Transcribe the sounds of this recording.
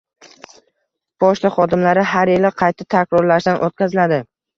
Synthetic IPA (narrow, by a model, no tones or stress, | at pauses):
b̥ɒʃlaχɒd̪ɪmlaɾɪɦaɾjelɪqʰɑjt̪ʰat̪ʰakʲɾɒɾlaʃd̪anʔot̪̚kʲazɪlad̪ɪ